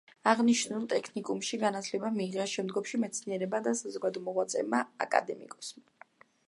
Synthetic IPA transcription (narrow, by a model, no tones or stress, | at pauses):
aʁniʃnulˠt̪ʼɛkʰnikʼumʃiɡanat̪ʰlɛbamiːʁɛʃɛmd̪ɡɔpʃimɛt̪sʰniɛɾɛbad̪asazɔɡad̪ɔmɔʁwat̪sʼɛ̰maa̰kʼa̰d̪ɛmḭkʼɔ̥sm